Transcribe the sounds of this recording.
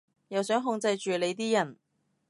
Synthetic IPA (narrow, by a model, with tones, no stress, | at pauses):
jɐ˨wsœː˨˥ŋɦʊ˧ŋt͡sɐ˧jt͡ʃyː˨le˨˧jt̪̬iː˥jɐ˨˩n